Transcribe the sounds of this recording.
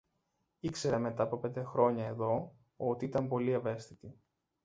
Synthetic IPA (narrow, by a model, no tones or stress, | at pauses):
ikse̞ɾeme̞t̪ɐpope̞nd̪e̞xɾo̞ɲɐe̞ðo̞ | ot̪iit̪ɐmpo̞lie̞ve̞st̪it̪i